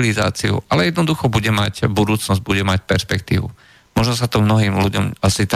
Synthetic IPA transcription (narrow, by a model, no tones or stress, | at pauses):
liza̰ːt͡siṵalɛjɛd̪nɔd̪uxɔbuɟɛmacbud̪uːt͡snɔzɟ̚buɟɛmacpɛɾspɛkt̪ḭːʋṵ | mɔʒnɔs̬at̪ɔmnɔɦiːmluɟɔmasit̪a